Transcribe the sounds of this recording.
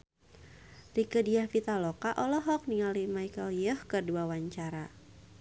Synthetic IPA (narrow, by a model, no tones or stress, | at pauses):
rikədiahfit̪alɔkaʔɔlɔɦɔk̚niŋalimajkəljɔhkərduawaɲt͡ʃaɾa